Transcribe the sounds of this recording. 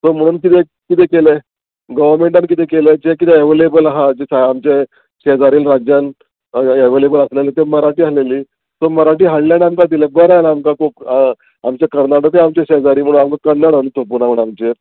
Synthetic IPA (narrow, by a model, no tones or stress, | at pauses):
som̤əɽ̃uːnkit̪e | kit̪ekele | ɡəʋəɾmeɳʈankit̪ekeled͡ʑekit̪eeʋəlebəlaɦad͡ʑesaamt͡ɕe | ɕed͡zaɾiːlɾad͡ʑjan | eʋelebələslelet̪eməɾaʈiːɦaleliː | soməɾaʈiːɦaɽlaɽamkad̪ilebəɾanamkakʰup | amt͡ɕekəɾnaɽət̪eamt͡ɕeɕeɦd͡zaɾiːm̤əɽuːnamkakəɾnaɽənt̪ʰop̬unaməɳamt͡ɕe